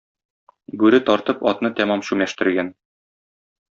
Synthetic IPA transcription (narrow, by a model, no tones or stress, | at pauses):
bʉɾɘt̪ɒɾt̪ɤpɒt̪nɤt̪æmɑmɕʉmæʃt̪ɘ̆ɾɡæn